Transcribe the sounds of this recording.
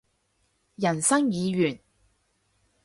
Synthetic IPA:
jɐ˨˩nsɐ˥ŋjiː˨˧ɥyː˨˩n

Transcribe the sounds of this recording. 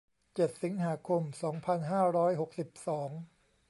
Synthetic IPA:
t͡ɕe˨˩t̪̚si˩˦ŋɦaː˩˦kʰo˧msɔː˩˦ŋpʰa˧nɦaː˥˩ɾɔː˦˥jɦo˨˩k̚si˨˩p̚sɔː˩˦ŋ

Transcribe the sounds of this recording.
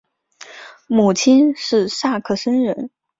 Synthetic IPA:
mu˨˩t͡ɕʰi˥nʂɻ̩˥˧ʂa˥˧kʰɤ˥˩ʂə˥nɻə˧˥n

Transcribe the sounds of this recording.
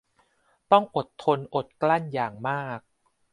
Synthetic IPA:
t̪ɔ˥˩ŋʔo˨˩t̪ʰːo˧nʔo˨˩t̪̚kla˥˩njaː˨˩ŋmaː˥˩k̚

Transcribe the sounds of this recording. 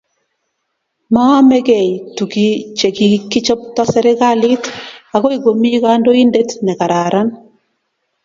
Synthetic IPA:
ma˦mɛ˦kɛ˨jtu˨ki˦t͡ʃe˨ki˨kːi˦t͡ʃɔ˦p̚tɔ˦sɛ˦ɾɛ˦ka˦lɪ˦ta˨ɣo˦i˦ɡo˨mi˦ka˦ndo˦i˦nde˦tnɛ˨ka˨ɾa˨ɾa˦n

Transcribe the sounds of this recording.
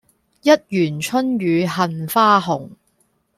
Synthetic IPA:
jɐ˥t̚jyː˨˩nt͡ʃʰɵ˥nɥyː˨˧ɦɐ˨nfaː˥ɦʊ˨˩ŋ

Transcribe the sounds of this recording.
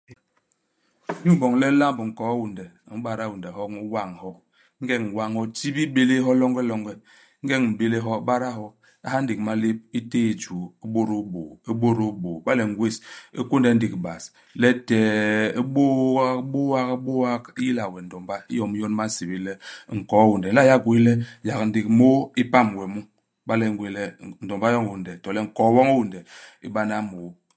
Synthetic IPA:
ɲu˦m˦bɔ˨ŋlɛ˦la˦mbŋ̩˨kɔ˨a˦wu˨ndɛ˨m̩˦ɓa˦ɾa˦˨wu˨ndɛ˨ɦɔ˦kŋ˦wa˦˨ŋ˨hɔ˦ | ŋ̩˦ɡɛ˦ŋ̩˨wa˦ŋhɔ˦ti˦bi˦be˦le˦ɦɔ˦lɔ˦ŋɡɛ˦lɔ˦ŋɡɛ˦ | ŋ̩˦ɡɛ˦ŋ˨m̩˨be˦le˦ɦɔ˦ɓa˦ɾa˦ɦɔ˦ | a˦ha˦n̩˦di˨kma˦le˦p̚i˦te˦i˨d͡ʒu˨i˦ɓo˦ɾo˦bo˨i˦ɓo˦ɾo˦bo˨ba˦lɛ˨ŋ˦ɡwe˦si˦ku˦n˦dɛ˨˦n̩˦di˨kba˨s | lɛ˦tɛ˨˦ɓo˦a˦ɓo˦wa˦kbo˦wa˦ki˦ji˦la˨wɛ˨n̩˨dɔ˨mba˦i˦jɔ˨m˦jɔ˦n˦ma˦n˦si˨bi˦lɛ˦˨ŋ̩˨kɔ˨˦wu˨ndɛ˨˦a˦˨ja˦ɡwe˦lɛ˦ja˨kn̩˦di˨kmo˦i˦pa˦˨m˨wɛ˨mu˦ | ba˦lɛ˨ŋɡwe˨lɛ˦n̩˨dɔ˨mba˦jɔ˦ŋ˨u˨ndɛ˨tɔ˨lɛ˦ŋ̩˨kɔ˨˦wɔ˦ŋo˦wu˨ndɛ˨ḭ˦ba˦na˦mo˨˦

